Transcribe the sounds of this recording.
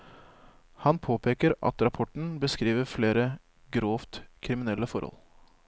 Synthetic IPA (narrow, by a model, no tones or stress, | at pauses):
hɑnpʰoːpʰeːkəɾɑ̰t̪ɾɑpʰɔʈɳ̩bəskɾiːʋəfleːɾə | ɡɾoːft̪kʰɾɪmɪnɛlːəfɔɾhɔ̰l